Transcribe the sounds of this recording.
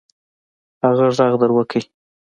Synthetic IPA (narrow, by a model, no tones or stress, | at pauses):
haɣaʐzaɣd̪əɾwəkʰəj